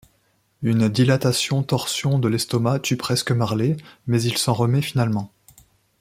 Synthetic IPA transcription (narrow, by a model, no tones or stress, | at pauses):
ynd̪ilat̪asjɔ̃t̪ɔʁsjɔ̃d̪əlɛst̪ɔmat̪ʰypχɛskəmaʁlemɛzilsɑ̃ʁəmɛfinalmɑ̃